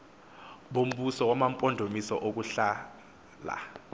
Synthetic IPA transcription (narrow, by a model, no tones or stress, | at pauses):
ɓom̩ɓusɔk̬wamampʼɔndʱomisɔʔok̬uɬa | la̰